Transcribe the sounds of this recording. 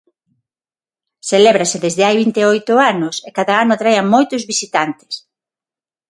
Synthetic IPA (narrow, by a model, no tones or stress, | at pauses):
selɛβɾasɪðezðɪajβint̪eojt̪ʊanʊsekaðaanʊt̪ɾajamojt̪ʊzβisit̪ant̪ɪ̥s